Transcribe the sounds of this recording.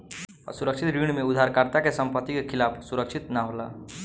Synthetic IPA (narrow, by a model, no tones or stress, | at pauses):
ɔ̰suɾəkʃʰit̪ɾiɳmeud̪ʱːaɾkaɾt̪akesəmpət̪ːikekʰilapʰsuɾəkʃʰit̪naɦola̰